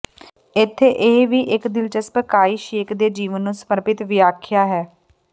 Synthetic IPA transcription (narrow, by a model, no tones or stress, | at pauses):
ɪt̪ʰːeːʔɪʋiːʔɪkd̪ɪlt͡ʃəspəkaːiːʃeːkd̪eːd͡ʒiːʋənːũːsəməɾpɪt̪ʋɪjaːkʰjaːɦɛː